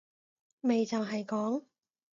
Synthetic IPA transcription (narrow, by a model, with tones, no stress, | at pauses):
me˨jt͡sɐ˨wɦɐ˨jkɔː˨˥ŋ